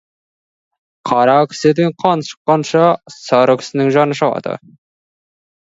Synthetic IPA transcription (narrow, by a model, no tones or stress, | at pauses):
qʰɑɾɑkʲʰɪ̥sed̪eɴqʰɑnʃə̥qːɑnʃɑsɑɾəkʲʰɪ̥sɪnɪŋʒɑnəʃɑlˠɑ̰d̪ə̰